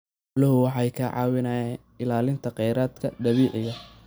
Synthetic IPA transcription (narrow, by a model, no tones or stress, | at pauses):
lɐɦʊwɑħɑjkʰɐʕɑ̰ːwɪnaːɛ | ɪlaːlɪnt̪ʰɐqɛjɾaːd̪kʰɐd̪ɐβiːʕɪɣɐ